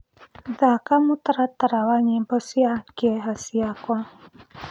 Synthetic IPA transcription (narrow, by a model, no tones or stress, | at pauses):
dakamut̪əɾat̪əɾawaɲɛbɔsiaɡ̥eɦasiaka